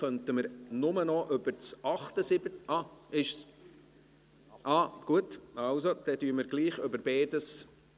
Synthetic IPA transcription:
χœntəməɾnʊmənɔʔʏbəɾt͡sɑχt̪əsɪbəɑːɪʃs | ʔɑːɡ̥uətɑwsod̥̪ɛtyːəmɪɾɡliːχʏbəɾbeːdəs

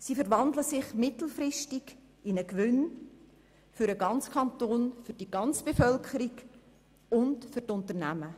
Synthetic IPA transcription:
siːfəɾvɑndləsɪχmɪtl̩frɪʃtɪɡ | ɪnəkvʏn | fʏɾəɡɑnt͡skʰɑntoːnfʏd̥iɡ̥ɑnt͡sb̥efœlkʰəɾiɡ | ʊntfʏɾtʊntərnæmə

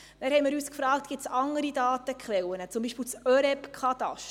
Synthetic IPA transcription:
nɛːɾhɛɪmɪɾyːskfɾɑːk̚tɡ̥ɪt̪sɑŋːəɾidɑːt̪əkχʋɛwənət͡sʊmbiːʃpiːlt͡sœɾɛpkʰɑt̪ɑ̰ʃ

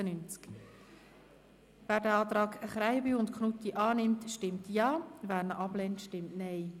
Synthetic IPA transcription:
ənynt͡sk | væːɾdæːɑːt̪ɾɑːkəχɾaɪbyːʊntkʰχnut̪ːiʔɑːnɪmtʃtɪmtjɑːvæːɾnəʔɑb̥lɛntʃtɪmtnɛɪ

